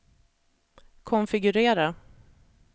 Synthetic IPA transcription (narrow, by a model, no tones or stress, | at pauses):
kʰɔnfɪɡɵɾeːɾa